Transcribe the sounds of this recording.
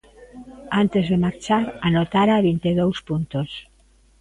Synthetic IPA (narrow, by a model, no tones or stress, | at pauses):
ant̪ezðemaɾt͡ʃaɾanot̪aɾaβint̪eðowspunt̪os